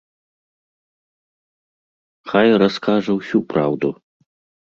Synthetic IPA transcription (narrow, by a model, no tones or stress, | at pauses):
xajrɐskaʐɐwsʲupɾʔawd̪u